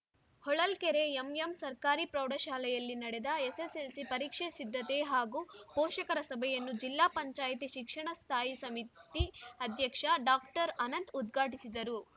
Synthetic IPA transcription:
hɔɭɐlkɛɾeemjemsɐɾkaːɾipɾɐwɽɐʃaːlɛjɐlːinɐɽed̪ɐeseselsipɐɾiːkʂesid̪ʱːɐt̪eɦaːɡupɔːʃɐkɐɾɐsɐbʱɛjɐnːud͡ʒilːaːpɐɲt͡ʃaːjit̪̬iʃikʂɐɳɐst̪ʰaːjisɐmit̪iɐd̪ʱjɐkʂɐɖaːkʈɐɾɐnɐnt̪ud̪ɡʱaːʈisid̪ɐɾu

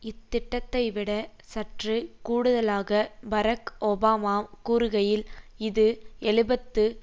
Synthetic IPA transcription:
ɪt̪ːɪʈːɐt̪ːɐɪʋɪɽɐ | sɐʈrikuːɽɯðɐlaːɣɐbɐɾɐkɔbaːmaːkuːɾɯɣɐjɪlɪðɯɛɭɪbɐt̪ːɯ

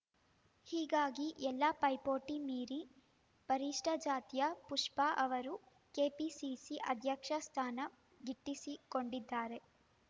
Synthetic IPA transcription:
hiːɡaːɡiʔɛlːɐpɐjpoːʈimiːɾi | pɐɾiʂʈʰɐd͡ʒaːt̪jɐpuʂpɐʔɐʋɐɾu | keːpisisiʔɐd̪ʱjɐkʂɐst̪ʰaːnɐ | ɡiʈːisikoɳɖid̪ːaːɾe̞

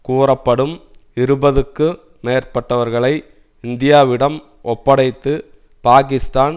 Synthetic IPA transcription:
kuːrɐpːɐɽɯmɪɾɯbɐðɯkːɯ | meːɾpɐʈːɐʋɐɾɣɐɭɐɪ | ɪnd̪ɪjaːʋɪɽɐm | ʔɔpːɐɽɐɪt̪ːɯ | paːk̬ɪst̪aːn

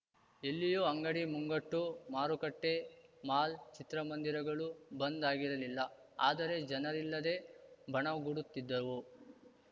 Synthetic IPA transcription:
elːijuɐŋɡɐɽimuŋɡɐʈːumaːɾukɐʈːe̞maːlt͡ʃit̪ɾɐmɐnd̪iɾɐɡɐɭubɐnd̪aːɡiɾɐlilːɐa̰ːd̪ɐɾe̞d͡ʒɐnɐɾilːɐd̪e̞bʱɐɳɐɡuɽut̪ːid̪ːɐʋu

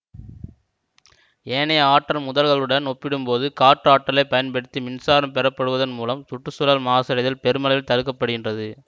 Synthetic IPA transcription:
eːnɐaːʈːɐlmʊðɐlɣɐɭɯɽɐnɔpːɪɽɯmpoːðɯkaːʈːraːʈːɐlɐɪpːɐjɐnpɐɽɯt̪ːimɪnsaːɾɐmpɛɾɐpːɐɽɯʋɐðɐnmuːlɐmt̪ʊʈːɯsʊlaːlmaːsɐɾɐðɪlpɛɾɯmɐlɐjɪlt̪ɐɾɯkːɐpːɐɽɯɣɪndrɐðɯ

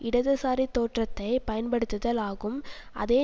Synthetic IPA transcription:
ɪɽɐðɯsaːɾit̪ːoːʈrɐt̪ːɐɪpɐjɐnpɐɽɯt̪ːɯðɐlaːɣɯm | ʔɐ̰ðeː

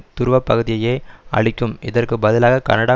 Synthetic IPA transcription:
t̪ːʊɾʋɐpːɐɣɯðɪjɐjeːɐ̰ɭɪkʲːɯmɪðɐrkɯbɐðɪlaːɣɐkɐ̰nɐɽaː

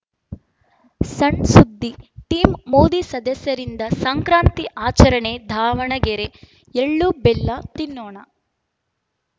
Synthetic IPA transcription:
sɐɳsud̪ːiʈiːmmoːd̪isɐd̪ɐsjɐɾind̪ɐsɐŋkɾaːnt̪iʔaːt͡ʃɐɾɐɳed̪ʱaːʋɐɳɐɡeɾe | eɭːubelːɐt̪inːoːɳɐ

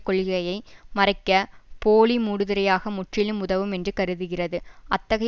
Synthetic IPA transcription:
kːɔɭɣɪɣɐjɐɪmɐrɐɪkːɐpoːlimuːɽɯðɪɾɐjaːɣɐmʊʈrɪlɯmʊðɐʋɯmɛndrɯkɐɾɯðɯɣɪrɐðɯʔɐt̪ːɐɣɐ

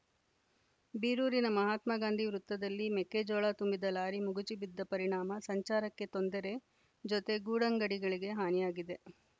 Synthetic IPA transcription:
biːɾuːɾinɐmɐɦaːt̪mɐɡaːnd̪ʱiʋɾut̪ːɐd̪ɐlːimekːed͡ʒɔːɭat̪umbid̪ɐlaːɾimuɡut͡ʃibid̪ːɐpɐɾiɳaːmɐsɐɲt͡ʃaːɾɐkːe̞t̪ond̪ɐɾe̞ | d͡ʒot̪e̞ɡuːɽɐŋɡɐɽiɡɐɭiɡe̞ɦaːnijaːɡid̪e̞

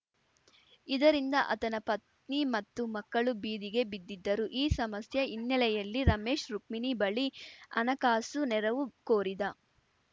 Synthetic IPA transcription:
id̪ɐɾind̪ɐʔɐ̰t̪ɐnɐpɐt̪̚ | nimɐt̪ːumɐkːɐɭubiːd̪iɡe̞bid̪ːid̪ːɐɾuʔiːsɐmɐsjɐinːɛlɛjɐlːiɾɐme̞ːʃɾuk̚minibɐɭiɐ̰nɐkaːsunɛɾɐʋukoːɾid̪ɐ

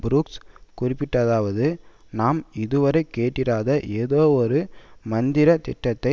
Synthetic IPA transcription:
bɾuːkskʊrɪpːɪʈːɐðaːʋɐðɯ | naːmɪðɯʋɐɾɐɪkeːʈːɪɾaːðɐʔeːðoːɔɾɯmɐnd̪ɪɾɐt̪ɪʈːɐt̪ːɐɪ

